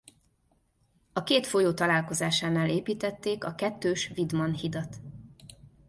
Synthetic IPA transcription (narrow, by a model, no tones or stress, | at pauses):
ɒkeːt̪fo̞joːt̪ɒlaːlko̞zaːʃaːnaːleːpiːt̪ɛt̪ːeːkɒkɛt̪ːøːʃvid̪mɒnhid̪ɒt̪